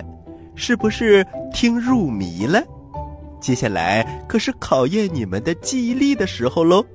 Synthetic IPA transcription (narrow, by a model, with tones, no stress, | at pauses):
ʂɻ̩˥˩bu˩ʂɻ̩˥˩t̪ʰi˥ŋɻu˥˩mi˧˥˦lə˧ | t͡ɕjɛ˥ɕja˥˩la̰˧˥ɪkʰɤ˨˩ʂɻ̩˥˩kʰɑ˨˩ʊjɛ˥˩nni˨˩mə˦nd̪ə˧t͡ɕi˥˧˥li˥˩d̪ə˩ʂɻ̩˧˥xo˧ʊlo˥